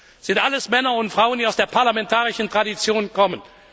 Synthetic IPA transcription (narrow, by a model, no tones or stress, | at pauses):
z̥ɪntʔaləsmɛnɐʊntfʁ̥aʊəndiːaʊsd̥eːɐpʰaɐlamɛntʰaːʁɪʃn̩tʁ̥adit͡sjoːnkɔmən